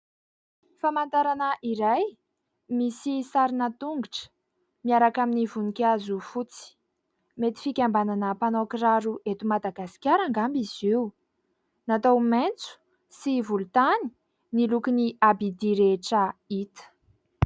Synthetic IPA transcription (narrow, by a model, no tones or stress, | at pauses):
famant̪aɾanəʔiɾaj | misisaɾinət̪uŋɡuʈ͡ʂə̥ | miaɾakaminivunikʲazufut͡si̥ | met̪i̥fikʲambananəpanokɾaɾuʔet̪umad̪aɡasi̥kʲjaɾaŋɡambiziu | nat̪owment͡su̥ | sivulut̪ani̥ | nilukiniabid̪iɾeʈ͡ʂəit̪ə̥